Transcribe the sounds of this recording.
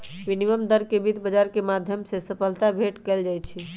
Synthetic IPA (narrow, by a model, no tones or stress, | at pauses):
biniʋəmd̪əɾkebid̪bəd͡ʒaɾkemad̪ʱjəmsesəpʰəlt̪abʱeʈkɛld͡ʒajt͡ʃʰi